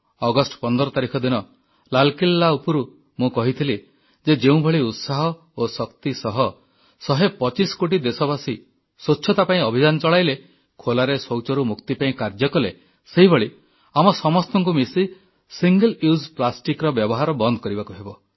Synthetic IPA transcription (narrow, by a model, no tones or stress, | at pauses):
ɔɡɔsʈɔ̥pɔnd̪ɔɾɔt̪aɾikʰɔd̪inɔ | lalkilːaupɔɾu | mũkɔɦit̪ʰili | d͡ʒed͡ʒeũbʱeɭiut̪saɦɔ | osɔkt̪isɔɦɔ | sɔɦepɔt͡ʃiskoʈ̬id̪esɔbasi | sotːʃʰɔt̪apaĩɔbʱid͡ʒanɔt͡ʃɔɭajle | kʰolaɾesowt͡ʃɔɾumukt̪ipaĩkaɾd͡ʒjɔkɔle | seɦibɔɭi | amɔsɔmɔst̪ɔŋk̬umisi | siŋɡeluzplasʈikɾɔbjɔbɔɦaɾɔbɔnd̪ɔkɔɾibakuɦebɔ